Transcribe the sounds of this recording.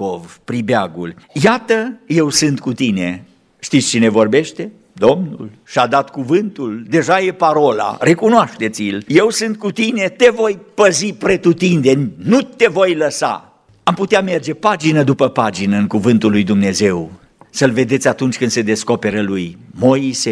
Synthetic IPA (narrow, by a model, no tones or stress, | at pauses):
ovpɾibeaɡṵljat̪əje̞wsɨnt̪kut̪ine̞ | ʃt̪it̪sʲt͡ʃine̞vo̞rbe̞ʃt̪e̞ | d̪o̞mnṵlʃiad̪at̪kuvɨnt̪uld̪e̞ʒaje̞paɾo̞la̰ɾe̞kunoaʃt̪e̞t̪sʲjilje̞wsɨnt̪̚kut̪ine̞t̪e̞vo̞jpəzipɾet̪ut̪ind̪e̞nʲːut̪e̞vo̞jləsa̰ | amput̪eame̞rd͡ʒe̞pad͡ʒinəd̪upəpad͡ʒinəɨŋkuvɨnt̪ulːujd̪umne̞ze̞w | səlve̞d̪e̞t̪sʲat̪unt͡ʃʲkɨnd̪se̞d̪e̞sko̞pe̞ɾəlujmo̞ise